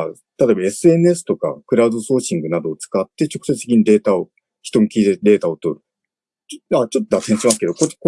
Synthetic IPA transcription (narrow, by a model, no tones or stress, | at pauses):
t̪at̪oebae̞sɨe̞nɯe̞sɨ̥t̪o̞ka̰kɯ̟ɾaɯ̟d̪o̞so̞ːɕĩŋɡɯ̟nad̪o̞ːt͡sɨ̥kat̪ːe̞t͡ɕo̞kɯ̟se̞t͡sɨ̥t̪ekʲiɲ̟id̪e̞ːt̪ao | çi̥t̪o̞mokʲiːt̪ed̪e̞ːt̪aot̪o̞ɾɯ̟ | at͡ɕot̪ːod̪asẽɕimasɨ̥ke̞d̪o̞kok